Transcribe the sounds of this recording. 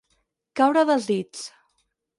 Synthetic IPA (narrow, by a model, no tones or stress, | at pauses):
kawɾəðəlˠzðit͡s